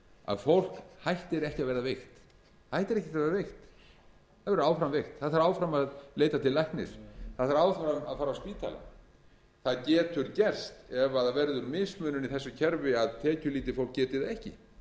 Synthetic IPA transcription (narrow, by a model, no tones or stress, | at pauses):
a̰ðfowl̥khajht̪ɪɾɛhcɪaðvɛːɾðavejxt̪ | hajht̪ɪɾɛhcɛt̪avɛɾavejxt̪ | aðvɛɾaːwfɾamvejxt̪θaðθaɾaːwfɾamaðleːjt̪at̪ʰɪllːajhknɪ̰ɾ̥θaðθaɾaːwfɾamaðfaːɾaspiːt̪ʰa̰la̰ | θaðcɛːt̪ʏɾcɛr̥st̪ɛvaðvɛɾðʏɾmɪsmʏːnʏniθɛsːʏcʰɛɾvɪaðt̪ʰɛːcʏliːt̪ɪfowl̥k̚cːɛːt̪ɪɾðaɛhcɪ̰